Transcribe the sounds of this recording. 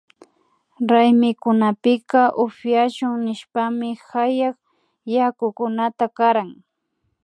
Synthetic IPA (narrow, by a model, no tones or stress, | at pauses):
ɾajmɪkʊnapɪkɑʔʊfjaʃʊŋnɪʃpamɪxajɑχ | jakʊkʊnat̪akaɾaŋ